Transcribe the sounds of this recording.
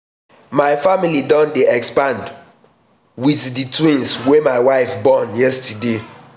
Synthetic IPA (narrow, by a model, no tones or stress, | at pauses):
maɪfamilidɔ̃ndeɛkspãnd | wiθditwĩnswemaɪwaɪfbɔnjɛstəde